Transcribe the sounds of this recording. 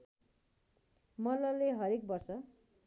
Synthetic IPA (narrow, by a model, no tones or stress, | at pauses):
mʌlʌleɦʌɾek̚bʌrsʌ